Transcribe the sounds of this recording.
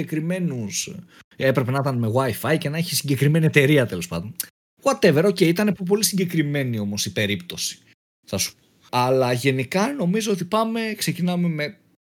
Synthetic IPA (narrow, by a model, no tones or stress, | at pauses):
ekɾime̞nus | e̞pɾe̞pe̞nɐt̪ɐnme̞ɣwɐifɐjce̞nɐeçisiɲɟe̞kɾime̞nie̞t̪eɾiɐt̪e̞lo̞spɐ̰ðd̪on | ɣwɐt̪e̞ve̞ɾo̞ce̞iit̪ɐnepp̬o̞lisiɲɟe̞kɾime̞nio̞mo̞sipe̞ɾipt̪o̞si̥ | θɐsu̥poɐlɐʝe̞nikɐno̞mizo̞ot̪ipɐme̞kse̞cinɐme̞me̞